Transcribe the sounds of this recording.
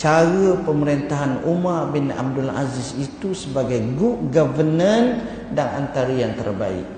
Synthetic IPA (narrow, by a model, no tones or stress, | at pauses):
t͡ʃaɾəpəməɾint̪aɦanumarbina̰b̚dula̰zisit̪usəbaɡajɡuʔɡavənən | daŋant̪aɾəjaŋt̪ə̰rba̰ɪ̰k̚